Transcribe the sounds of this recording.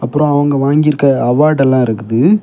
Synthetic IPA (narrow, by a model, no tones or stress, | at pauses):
ɐpːɯɾõɐʋɐŋɡɐʋaːŋɡɪɪɾɯkːɐɐʋaːɖɛlːãːɪɾɯkːɯðɯ